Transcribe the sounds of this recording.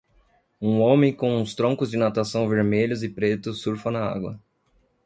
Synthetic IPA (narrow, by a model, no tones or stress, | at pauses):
ũõmẽj̃kõw̃ũst̪ɾõŋkʊzd͡ʒɪnat̪asɐ̃w̃veɾmeʎʊzɪpɾet̪ʊsuɾfɐnaa̰ɡwɐ̰